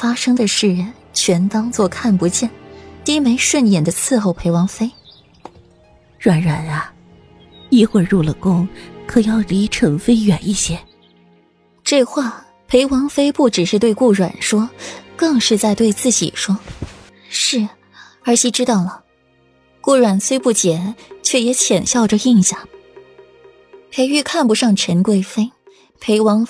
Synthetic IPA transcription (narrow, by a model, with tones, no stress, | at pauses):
fa˥ʂɤ˥ŋd̪ə˨ʂɻ̩˥˩n | t͡ɕʰɥɛ˧˥nt̪ɑ˥ŋt͡swɔ˥˧kʰa˥˩npu˧˥t͡ɕjɛ˥˩nt̪i˥me˧˥ɪʂwə˥˩njɛ˨˩nd̪ə˦t͡sʰɹ̩˥˧xo˥˩ʊpʰe˧˥ɪwɑ˧˥ŋfe˥ɪ | ɻwa˨˩nɻa˨˩na˧ | i˥˧xwə˥˧ɻu˥˩lə˩kʊ˥ŋkʰɤ˨˩jɑ˥˩ʊli˧˥ʈ͡ʂʰɤ˧˥ŋfe˥ɪɥɛ˨˩ni˥˩ɕjɛ˥ | ʈ͡ʂɤ˥˧xwa˥˩ | pʰe˧˥ɪwɑ˧˥ŋfe˥ɪpu˥˩ʈ͡ʂɻ̩˨˩ʂɻ̩˥˧t̪we˥˧ɪku˥˩ɻwa̰˨˩nʂwɔ˥kɤ˥˧ŋʂɻ̩˥˧t͡sa˥˧ɪt̪we˥˧ɪt͡sɹ̩˥˩t͡ɕḭ˨˩ʂwɔ˥ | ʂɻ̩˥˩ | ə˞˧˥ɕi˧˥ʈ͡ʂɻ̩˥t̪ɑ˥˩ʊlə˩ | kwu˥˩ɻwa˨˩nswe˥ɪpu˥˩t͡ɕjɛ˨˩˦nt͡ɕʰɥɛ˥˩jɛ˧˥t͡ɕʰjɛ˨˩nɕjɑ˥˩ʊʈ͡ʂə˨˩i˥˧ŋɕja˥˩ŋ | pʰe˧˥ɪy˥˧kʰa˥˩npu˧˥ʂɑ˥˩ŋʈ͡ʂʰə˧˥nkwe˥˩ɪfe˥ɪ | pʰe˧˥ɪwɑ˧˥ŋ